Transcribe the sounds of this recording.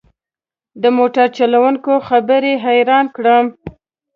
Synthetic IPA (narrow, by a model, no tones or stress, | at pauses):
d̪əmoʈaɾt͡ʃalawuŋkoxabəɾeɦajɾɑnkɽəm